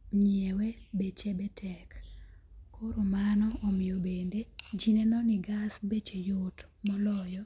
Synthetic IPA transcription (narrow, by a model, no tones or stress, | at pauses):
ɲewebet͡ʃebetʰɛk | koɾomanɔːmɪjobended͡ʒinenɔniɡasbet͡ʃejotmɔlɔjɔ